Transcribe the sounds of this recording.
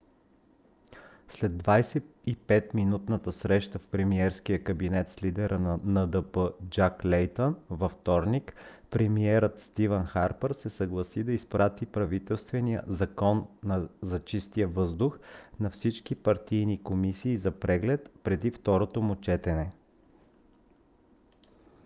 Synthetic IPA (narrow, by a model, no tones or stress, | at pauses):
slɛd̪ːvajsɛipɛt̪minut̪nət̪əsɾɛʃt̪əfpɾɛmiɛɾsk̟ijəkɐbinɛt̪slid̪ɛɾʔənɐnəd̪əpəd͡ʒaklɛjt̪ənvɐft̪ɔɾnikpɾɛmiɛɾət̪st̪ivɛnxaɾpəɾsɛsɐɡlˠɐsid̪ɐispɾat̪ipɾɐvit̪ɛlˠst̪vɛnijə̰zɐkɔnːɐzɐt͡ʃist̪ijəvɤzd̪ʊxnɐfsit͡ʃkipɐɾt̪ijnikomisiːzɐpɾɛɡlɛt̪pɾɛd̪ift̪ɔɾot̪omʊt͡ʃɛt̪ɛnɛ